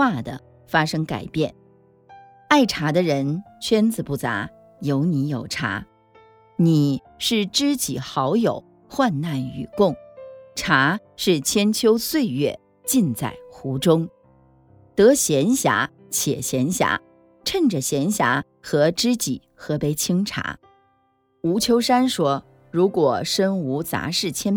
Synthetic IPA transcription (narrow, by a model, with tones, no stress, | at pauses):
wa˥˩d̪ə̰˩ | fa˥ʂɤ˥ŋka˨˩ɪpjɛ˥˩n | a˥˩ɪʈ͡ʂʰa˧˥d̪ə˧ɻə˧˥nt͡ɕʰɥɛ˥nt͡sɹ̩˨pu˥˩t͡sa̰˧˥ | jo˧˥ʊni˧˥jo˨˩ʊʈ͡ʂʰa̰˧˥ | ni˨˩˦ | ʂɻ̩˥˩ʈ͡ʂɻ̩˥t͡ɕi˨˩xɑ˧˥ʊjo˨˩˦ʊ | xwa˥˧nna˥˩ny˨˩kʊ˥˩ŋʈ͡ʂʰa˧˥ʂɻ̩˥˩t͡ɕʰjɛ˥nt͡ɕʰjo˥ʊswe˥˧ɪɥɛ̰˥˩ | t͡ɕi˥˧nt͡sa̰˥˩ɪxu˧˥ʈ͡ʂʊ˥ŋ | t̪ɤ˧˥ɕjɛ˧˥nɕja̰˧˥ | t͡ɕʰjɛ̰˨˩ɕjɛ˧˥nɕja̰˧˥ | ʈ͡ʂʰə˥˩nʈ͡ʂə˨˩ɕjɛ˧˥nɕja̰˧˥ | xɤ˧˥ʈ͡ʂɻ̩˥t͡ɕi˨˩˦xɤ˧˥pe˧˥ɪt͡ɕʰi˥ŋʈ͡ʂʰa̰˧˥ | u˧˥t͡ɕʰjo˥ʊʂa˥nʂwɔ˥ | ɻu˧˥kwɔ˨˩ʂə˥nu˧˥t͡sa̰˧˥ʂɻ̩˥˩t͡ɕʰjɛ˥n